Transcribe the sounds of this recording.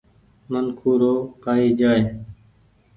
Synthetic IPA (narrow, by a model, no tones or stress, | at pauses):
mənkʰuːɾoːkaːiːd͡ʒaːeː